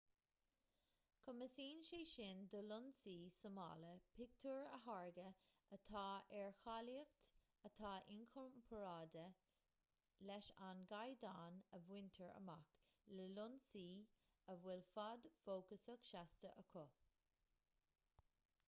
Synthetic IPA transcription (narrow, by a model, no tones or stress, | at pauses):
kʰʊməsiːnʃeːʃɪnd̪əlʊnsiːsəmɑ̰ːləpʰɪk̚t̪ʰuɹəɦaɹɡəət̪ʰɑːɛɹxaliəxt̪ | ət̪ʰɑːʔɪnkʰɔmpʰəɹaːd̪ə | lɛʃanɡajd̪aːnəvwɪnt̪ʰəɹə̰makləlʊnsiː | əvwɪlfad̪foːkəsəkʃast̪əʔəkʰʊ